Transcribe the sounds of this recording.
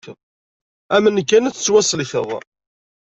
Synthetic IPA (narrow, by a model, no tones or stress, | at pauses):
ðˤ | æmənkːænət͡sːət͡sːwæsəlçə̰ðˤ